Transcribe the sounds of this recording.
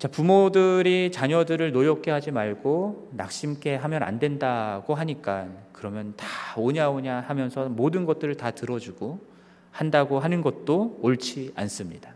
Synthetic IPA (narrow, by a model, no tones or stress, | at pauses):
t͡ɕapumodɯɾit͡ɕaɲʌdɯɾɯɭnojʌk͈ʰe̞ɦad͡ʑimaɭɡona̰k̚ɕ͈imk͈e̞ɦamjʌna̰ndwe̞ndaɡ̥oɦaɲik͈ankɯɾʌmjʌntaoɲaoɲahamjʌnsʰʌmodɯnɡʌt̚t͈ɯɾɯɭtatɯɾʌd͡ʑuɡo | handaɡoɦanɯnɡʌt̚t͈oːɭt͡ɕʰia̰ns͈ɯmɲida